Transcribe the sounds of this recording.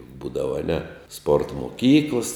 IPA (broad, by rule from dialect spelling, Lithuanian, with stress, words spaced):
ˈbuːdɐʋɐ ɐˈnʲɛ spoːrt moːˈkʲiːklˠɐs